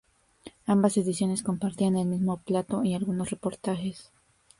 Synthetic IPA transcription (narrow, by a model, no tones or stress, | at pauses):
ambase̞ðisjo̞ne̞sko̞mpaɾt̪iane̞lmizmo̞plat̪o̞ialɣuno̞sre̞po̞ɾt̪axe̞s